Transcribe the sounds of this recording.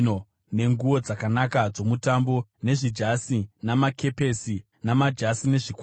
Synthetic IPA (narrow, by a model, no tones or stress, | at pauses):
o | ne̞ŋɡuʋo̞d͡zakanakad͡zo̞mutambo̞ne̞ʐid͡ʒasinamake̞pe̞si | namad͡ʒasine̞ʐik